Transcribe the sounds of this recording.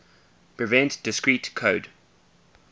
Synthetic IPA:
pʰɹ̥ivɛ̃ntd̥ɪskɹiːˑtkʰoːd

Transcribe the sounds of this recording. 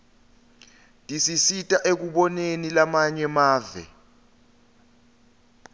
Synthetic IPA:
tʼisisitʼaʔek̬uɓɔnenilamaɲɛmaːvɛ̰

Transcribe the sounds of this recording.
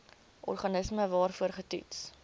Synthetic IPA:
ʔɔ̰rχɐnəsməvɑːrfuərχətḭts

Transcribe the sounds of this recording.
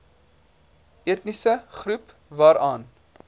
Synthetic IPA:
ʔiət̪nisəχɾup | vɑːɾɑːn

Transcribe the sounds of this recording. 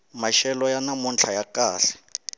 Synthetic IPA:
maʃɛlɔjanamunt͡ɬʰajakʼaːɬɛ̥

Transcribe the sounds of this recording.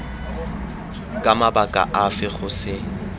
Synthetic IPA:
kʼamabakʼa̰ʔafɪχʊsɪ

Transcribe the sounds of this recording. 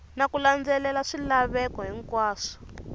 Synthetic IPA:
nakuland͡zɛlɛlaʂilaβɛkɔɦiŋkwaːʂɔ̥

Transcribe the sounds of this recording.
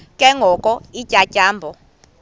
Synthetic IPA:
kʼɛŋɡʱɔkʼɔicʼacʼaːmbʱɔ

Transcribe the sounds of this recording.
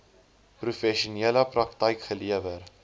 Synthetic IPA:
prufɛʃuniələprɐktəjkχəliəvər

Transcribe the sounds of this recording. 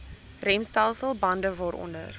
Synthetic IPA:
rɛmstɐlˠsəlˠbɐndəvɔɾʔɔ̰ndə̰r

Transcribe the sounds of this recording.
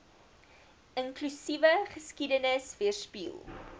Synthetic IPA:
əŋklysivəχəskidənəsviərspḭːlˠ

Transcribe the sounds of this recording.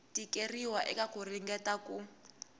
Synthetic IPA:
tikeriwaʔɛkakuriŋɡɛtaku

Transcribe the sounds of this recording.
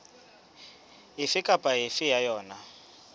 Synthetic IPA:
ɦɪfɪkʼapʼaɦɪfɪjajɔːna

